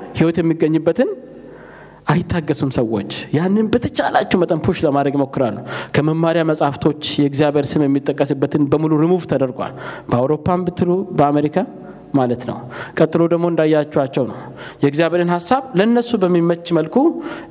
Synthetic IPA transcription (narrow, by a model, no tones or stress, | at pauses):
hiwɔt̪jɛmːiɡːəɲːɨbːət̪ʰɨn | ʔajɪt̪ʰːaɡːəsumsəwːo̞̰t͡ʃːjanːɨnbət̪ʰət͡ʃʼalat͡ʃːɛwmət̪ʼənpʰuʃləmad̪ɾəɡmo̞kːɨɾalːuwkʰəməmːaɾijaməsʼhaft̪ʰo̞t͡ʃːjɛɡzijaβeɾsɨmjɛmːit̪ʼːəkʼːəsɨbːət̪ɨnbəmuluɾɨmuft̪ʰəd̪əɾɡʷa̰lbəawɾo̞pːambɨt̪ːɨlubəame̞ɾikʰa | malət̪nə̰wkʼət̪ʼːɨlo̞d̪əɡmo̞ɨnd̪ajːat͡ʃːuat͡ʃːɛwnə̰w | jɛɡzijaβeɾenhasːaβlənːəsːubəmːimət͡ʃːməlkʰu